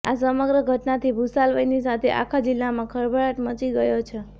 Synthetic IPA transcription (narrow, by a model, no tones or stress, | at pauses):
asəməɡɾəɡʱəʈnat̪ʰibʱusalʋəjnis̬at̪ʰeʔa̰kʰad͡ʒilːamãkʰəɾbʱaɭaʈmət͡ʃiɡəjot͡ʃʰe